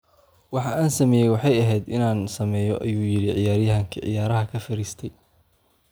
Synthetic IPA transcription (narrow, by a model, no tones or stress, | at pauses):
wɑħɑʔaːnsɐmɛːjɛjwɑħɑjɐɦɛjd̪ɪnaːnsɐmɛːjɔʔɐ̰juːjɪɽɪʕɪjaːɾjɐɦɐŋkʰɪʕɪ̰jaːɾɐɦɐkʰɐfɐɾiːst̪ʰɛj